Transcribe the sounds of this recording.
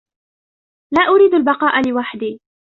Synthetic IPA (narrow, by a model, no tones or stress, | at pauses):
laːʔʊɾiːd̪albɑqɑːʔalɪwaħd̪iː